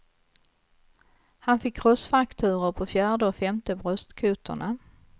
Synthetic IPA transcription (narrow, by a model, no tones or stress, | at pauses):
hanfɪkʰːɾɔsfakt̪ʰʉ̟ːɾəɾpʰɔfjæːɖəɔfɛmt̪əbɾœst̪kʰʉːt̪ʰə̰ɳa